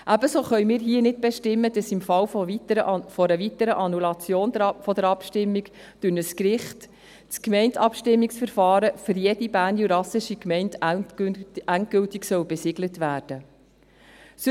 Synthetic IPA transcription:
ʔæbəsoːχœʏmiːɾɦiənɪd̚b̥ɛʃtɪmːəd̥ɑsɪmfɑwf | fɔɾəʋitəɾəʔɑnulɑt͡sjoːndfɔdəɾɑpʃtɪmːiɡ | d̥ʉnəskɾɪχt | t͡skmɛɪntɑpʃtɪmːiksfəɾfɑːɾəfʏɾjɛdibæːndjuɾɑsɪʃikmɛɪnt | ʔænt̚ɡ̥ʏltɪksœwbɛsɪɡlətʋæːɾd̥ə | s

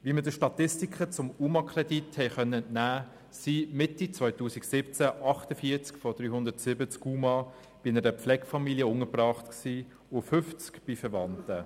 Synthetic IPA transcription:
ʋiːmədəʃtɑt̪ɪstikχət͡sʊmuːmɑkʰrɛdithɛɪχœnːəɛntnæː | simɪtit͡sʋœʏtuːsiksɪpt͡sæʔɑχtəfiːt͡skfɔd̥ɾyːhʊndətsɪbət͡skuːmɑ | b̥ɪɪnəɾəpflɛɡfɑmiljəʊŋəprɑːχtksiː | ʊfʏft͡skb̥ifəɾʋɑntə

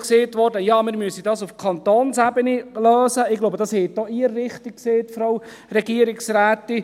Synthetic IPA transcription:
kseːtʋɔɾdəjɑːmɪːɾmyəsidɑsufkʰɑnt̪oːnsæbənilœːsəɪɡloʊbəd̥ɑshɛɪt̚d̥ɔʔiəɾːɪχtik̚kseːtfɾow | ɾɛɡiəɾɪksɾæːt̪ɪ

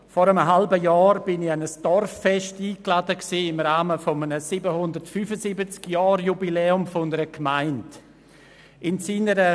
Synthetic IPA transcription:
fɔɾəmɦalbəjɑːɾb̥ɪnɪçanəsd̥ɔrfːɛʃtiːkladəksiːɪmɾaːməfɔmənəsibəhʊndəɾtfyfəsibət͡skjɑːɾjubilɛːʊmfndəɾəkmaɪnd | ɪnsiːnəɾə

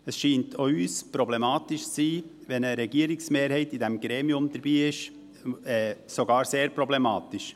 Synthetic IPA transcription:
əsʃiːntʰoyːspɾɔblɛmɑːtɪʃt͡siːʋɛnəɾɛɡiəɾɪksmeːɾhɛɪtidɛmɡ̥ɾeːmiʊmd̥̪əɾbiːɪʃ | ɛːsoɡɑːɾseːɾpɾɔblɛmɑːt̪ɪʃ

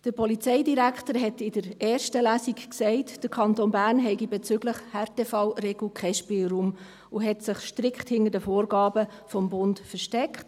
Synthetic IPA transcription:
d̥əɾpɔlit͡sɛɪdiɾæktəɾɦɛtɪd̥əɾɛːɾʃtəlæːsikksɛɪtd̥əɾkʰɑntoːnbæːrnɦɛɪɡibɛt͡sʏɡləχhɛɾtefɑwreɡl̩kχɛʃpɪːlɾuːm | ʊɦɛtsɪχʃtɾɪkχthɪnəɾdəfoːɾɡɑːbə | fɔmbʊntfəɾʃtɛkχt

